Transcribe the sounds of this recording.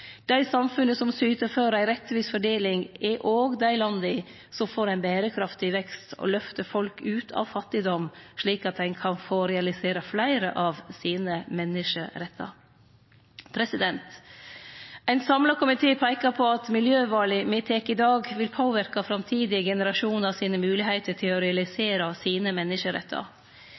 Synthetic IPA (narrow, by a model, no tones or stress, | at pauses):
d̪̥æɪsɑmfʉnəsɔmsyːt̪əɾføːɾæɪɾɛt̪ʋiːsfɔɖeːlɪŋɛʔoːɡd̪æɪlɑnd̪ə | sɔmfoːɾæɪnbæːɾəkʰɾɑft̪ɪʋɛkst̪ʰo̰lœft̪əfɔlkʉːt̪ʰɑ̰ːʋfɑt̪ːɪd̪ɔmʂɭiːkɑt̪̚æɪnkʰɑnfoːɾɛɑlɪseːɾɑflæɪɾə̰ʔɑʋsiːnəmɛnːəʂəɾɛt̪ʰːɑ̰ | pʰɾɛsɪd̪ɛnt̪ | æɪnsɑmlɑkʰʊmɪt̪ʰeːpʰæɪkɑpʰɔɑt̪mɪljøːʋɑːlɪmet̪ʰekːɪd̪ɑːɡʋɪlpʰoːʋɪɾkɑfɾɑmt̪ʰiːd̪ɪəɡɛnəɾɑʂuːnəɾɑsiːnəmʉːlɪhæɪt̪əʈʰɪlɔɾɛɑlɪseːɾɑsiːnəmɛnːɪʂəɾɛ̰t̪ʰːɑ̰